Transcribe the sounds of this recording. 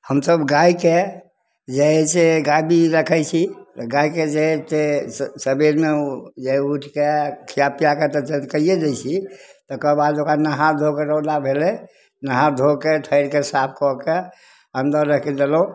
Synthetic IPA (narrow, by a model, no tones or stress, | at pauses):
həmsəbɡaike | d͡ʒeɦɛseɡabiɾəkʰɛjt͡ʃʰit̪ɡaiked͡ʒeɦɛt̪esəbiɾmed͡ʒeɦuʈʰkekʰijapijaket̪ɔt͡ʃət̪kəied͡ʒ̪ɛt͡ʃʰit̪ɔkəbad̪okɾanəɦãd̪ʱokeɾəd̪abʱelɛ | nəɦãd̪ʱokeʈʰəɪɾkesap̚ʰkɔke | ənd̪əɾɾəkʰid̪elũ